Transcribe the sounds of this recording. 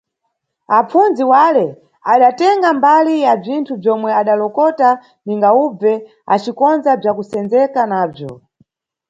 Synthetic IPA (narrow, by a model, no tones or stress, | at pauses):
ap͡funziwalɛ | aɗatɛŋɡambalijab͡ʐintʰub͡ʐjɔmwɛaɗalɔkɔta | niŋɡaub͡vɛ | a̰t͡ʃikɔnzab͡ʐakusɛnd͡zɛkanaːb͡ʐjɔ